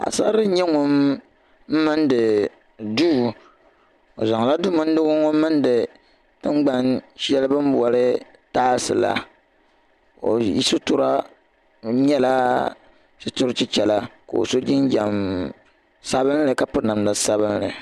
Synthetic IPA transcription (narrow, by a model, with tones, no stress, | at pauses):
a̰˨sa˦ɾɨ˦ɲɛ˦ŋʊ˦m̩˦ | mɨ˦ndɨ˨ | du˦˨ | o̰˨za˨ŋ˨la˦du˦mɨ˦n̩˦dʊ˦ɡʊ˦ŋʊ˦mː˦ɨ˦n˦dɨ˨˦ | ŋ͡m̩˦ɡ͡ba˦nʃɛ˦lɨ˦bɨ˦m˦bu˨ɔ˨ɾɨ˦ | taː˦sɨ̰˨la̰˨ | o̰˨jḭ˦sʊ˦tʊ˦ɾa˦ | ɲɛ˦la˦ | t͡ʃi˦tʊ˦ɾt͡ʃɪ˦t͡ʃɛ˨la˨˦ko̰˨o̰˨so˦d͡ʒɪ˦n˦d͡ʒa˨m | sa˦βɨ˦n˦lɨ˨ka˦pɨ˦ɾna˨mla˨sa˦βɨ˦n˦lɨ̰˨